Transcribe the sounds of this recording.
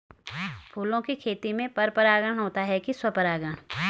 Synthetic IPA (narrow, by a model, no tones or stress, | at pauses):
pʰuːlõkikʰeːt̪imẽpɐɾpəɾaːɡəɽ̃ɦoːt̪aɦɛkiswɐpəɾaːɡəɽ̃